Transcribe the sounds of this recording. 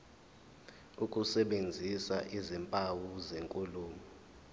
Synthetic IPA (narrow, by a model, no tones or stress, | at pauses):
ukʼusɛɓend͡zʱisaʔizimpʼawuzeŋkʼuluːmi